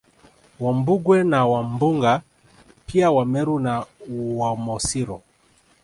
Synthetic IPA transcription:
wambuɡwɛnawambuŋɡa | piawamɛɾunawamɔsiɾɔ

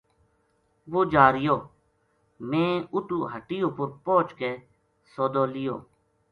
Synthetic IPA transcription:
ʋoːd͡ʒaːɾɪjoː | mẽːʊʈuːɦəʈɪjõːpʊɾpoːt͡ʃkeː | soːd̪oːlɪjo̰ː

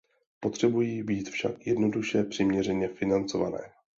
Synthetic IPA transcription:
po̞t̪r̝̥ɛbujiːbiːt̪fʃa̰kjɛdno̞duʃɛpr̥ɪmɲɛrɛɲɛfɪnant͡so̞va̰nɛ̰ː

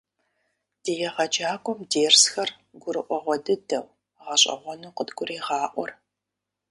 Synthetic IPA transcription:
d̥ijɛʁɐd͡ʒaːkʷʼɔmdeːrsxɐr | ɡʷʊɾɨʔʷɔʁʷɔdɨdɐw | ʁɐɕʼɐ̰ʁʷɔnuːqədɡʷʊɾeːʁɑːʔʷɔr

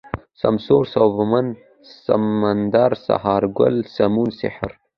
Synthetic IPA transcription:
sa̰msoːɾsawvman | sa̰mand̪aɾsa̰hɑːɾɡʊ̰lsamunsɪ̰ħɾ

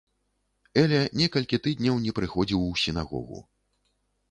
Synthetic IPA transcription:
ɛlʲɛnʲɛkɐlʲkʲit̪ɨd̪ʲnʲɐwnʲɛpɾɨxɔd͡zʲiwsʲinaɣɔ̰ɣṵ

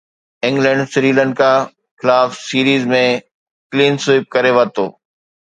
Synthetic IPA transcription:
ɪ̃ŋɡlə̃ɳɖsɾiːlə̃ɳɖkʰaː | xɪlaːfsiːɾiːzmẽ | kliːnsʊɪp̚kɐɾeʋət̪o̰ː

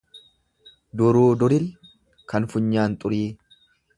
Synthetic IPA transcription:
d̪ʊɾuːd̪ʊɾɪl | kʰɐnfʊɲːaːnt̪ʼʊɾiː

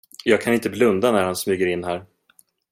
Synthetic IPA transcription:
jɑːɡ̚kʰanɪnt̪əblɵnd̪anæɾhansmyːɡəɾɪnːɦæɾ

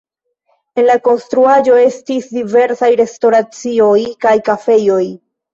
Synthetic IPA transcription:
e̞nlako̞nstɾuaʒo̞e̞stisdive̞ɾsajɾe̞sto̞ɾat͡sio̞jkajkafe̞jo̞j

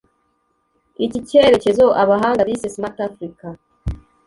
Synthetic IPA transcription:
iciceɾe̞ce̞zo̞ʔaβaɦaːŋɡabisesmatafɾika

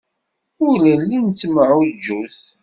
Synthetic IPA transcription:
ʊɾlælːint͡sːməʕʊd͡ʒːuθ

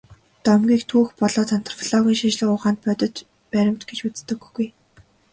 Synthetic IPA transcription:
t̪ɔmɡʲiːkt̪ʰuːxpɔɮɔːt͡s̪ʰan̥t̪ʰɞ̥̆r̥fiɮɔɣʲiːŋʃit͡ɕɮə̆kʊːʁaːnt̪̚pœt̪ɞ̆t̪ | pæɾʲɪ̆m̥t̪ɡet͡ɕut͡st̪ɘ̆ɡːuj

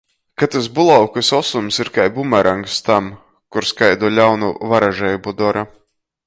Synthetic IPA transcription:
kat̪as̬bulˠawkɨsɔsumsiɾkajbumaɾʔaŋkst̪am | kuɾskajd̪uɔlʲawnuvaɾaʒɛjubud̪ɔɾa

